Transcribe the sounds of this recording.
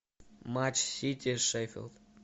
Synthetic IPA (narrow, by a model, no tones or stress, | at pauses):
mat͡ʃsitʲiʃeɪfḭlˠd̪̥